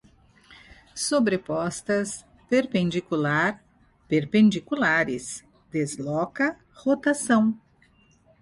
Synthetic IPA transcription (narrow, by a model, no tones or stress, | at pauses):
sobɾepɔst̪ɐs | peɾpẽnd͡ʒikulaɾ | peɾpẽnd͡ʒikulaɾɪs | d̪ezlɔkɐ | hot̪asɐ̃w̃